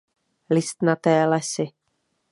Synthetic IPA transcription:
lɪst̪nat̪ɛːlɛsɪ

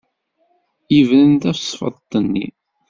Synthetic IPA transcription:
ivɾənt̪æfsˤfə̰ðˤt̪ˤːənːḭ

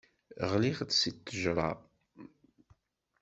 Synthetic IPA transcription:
ʁliχt͡ssit̪ːəʒɾˤɑ̰

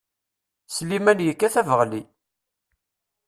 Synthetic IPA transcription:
slimænjəkːæθævəʁli

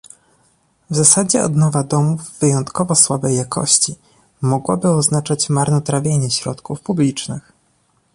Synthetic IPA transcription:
vzasad͡ʑɛ̰ɔ̰d̪nɔvad̪ɔmuvːɘjɔnt̪kɔvɔswabɛjːakʰɔ̰ɕt͡ɕi | mɔɡwɔbɘɔznat͡ʂat͡ɕmaɾnɔt̪ɾavʲjeɲɛɕɾɔ̰t̪kufpublʲit͡ʂnɘx

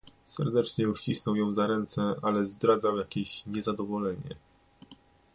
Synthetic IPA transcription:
sɛɾd̪ɛt͡ʂɲɛuɕt͡ɕisnɔwjɔ̃w̃zaɾɛnt̪sɛalɛzd̪ɾad̪zawjakʲeɕɲɛzad̪ɔvɔlɛɲɛ̰

